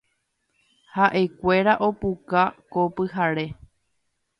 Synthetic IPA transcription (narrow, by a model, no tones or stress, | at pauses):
haʔekʷe̞ɾaʔo̞pukakopɨɦaɾe̞